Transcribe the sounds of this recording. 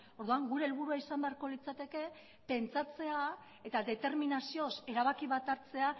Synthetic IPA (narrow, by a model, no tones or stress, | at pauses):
o̞ɾðuaŋɡuɾe̞ːlβuɾuaisambe̞aɾko̞lit͡sat̪e̞ke̞ | pe̞nt͡sat͡se̞a | e̞t̪ad̪e̞t̪e̞ɾminasio̞se̞ɾaβakiβat̪aɾt͡se̞a